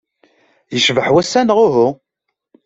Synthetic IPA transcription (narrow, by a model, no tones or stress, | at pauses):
jəʃvəħwæsːænəʁʊɦʊ